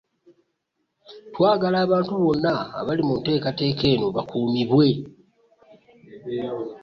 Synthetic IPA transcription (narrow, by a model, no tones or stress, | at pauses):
twaːɡalaːβaːntuβo̞nːa̰ːβalimunte̞ːkate̞ːke̞ːnoβakʰuːmiβwe̞